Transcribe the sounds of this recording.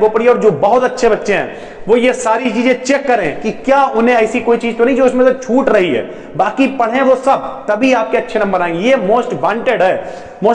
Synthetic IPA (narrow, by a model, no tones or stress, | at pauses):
koːpəɽiɔːɾd͡ʒoːbɐɦʊt̪ɐtːʃʰebɐtːʃẽɦɛ̰̃ː | ʋoːjesaːɾit͡ʃiːzẽt͡ʃeːkːɐɾẽkikjaːʊnɦẽɐːsikoːit͡ʃiːzt̪onɐɦĩd͡ʒoːʊsmẽset͡ʃʰuːʈɾɐɦiɦɛ̰ː | baːkipɐɽ̤ẽʋosɐb̚t̪ɐbʱiaːp̚keɐtːʃʰenɐ̃mbəɾaːẽŋɡejemoːsʈʋãːɳʈeɖɦɛː | moː